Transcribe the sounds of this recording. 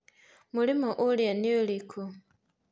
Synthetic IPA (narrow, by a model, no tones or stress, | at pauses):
mulimoʔuljaniolikʰu